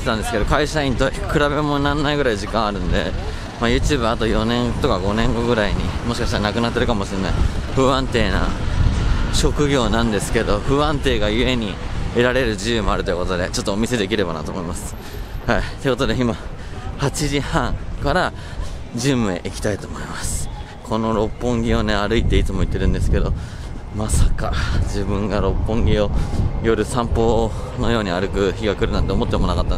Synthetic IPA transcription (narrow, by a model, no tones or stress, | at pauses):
et̪ãnd̪e̞sɨ̥ked̪o̞kaiɕaĩnt̪o̞ikɯ̟ɾabe̞mo̞nãnːaiɡɯ̟ɾaiʑikãɰ̃aɾɯ̟̃nd̪e̞̰ | majɯ̟ːt͡ɕɨːbɯ̟at̪o̞jo̞nẽ̞ŋɡt̪o̞kaɡo̞nẽ̞ŋɡo̞ɡɯ̟ɾaiɲ̟ḭmo̞ɕi̥kaɕit̪aɾanakɯ̟nat̪ːeɾɯ̟kamo̞ɕiena̰iɸɯ̟ãnt̪e̞ːna̰ | ɕo̞kɯ̟ɡʲo̞ːnãnd̪e̞sɨ̥ke̞d̪o̞ɸɯ̟ãnt̪e̞ːɡajɯ̟e̞ɲ̟ie̞ɾaɾe̞ɾɯ̟ʑijɯmo̞aɾɯojɯ̟ko̞t̪o̞d̪e̞̰t͡ɕo̞t̪ːoːmʲise̞d̪e̞kʲiɾe̞ba̰na̰t̪o̞ːmo̞imasɨ̥ | hait̪oi̟ko̞t̪od̪e̞ima | hat͡ɕiʑihãŋkaɾa | ʑɨ̃mɯ̟ḛʔikʲi̥t̪ait̪o̞ːmo̞imasɨ̥ | kʰo̞no̞ɾo̞pːõ̞ŋɡʲio̞ne̞aɾɯ̟it̪e̞it͡sɨmo̞it̪ːe̞ɾɯ̟̃nd̪e̞sɨ̥ke̞d̪o̞ | masakad͡ʑibɯ̟̃ŋɡaɾo̞pːõ̞ŋɡʲio̞jo̞ɾɯ̟sãmpo̞ː | no̞jo̞ːɲ̟iaɾɯ̟kɯ̟çiɡakɯ̟ɾɯ̟nãnt̪e̞omo̞t̪ːemo̞nakat̪ːan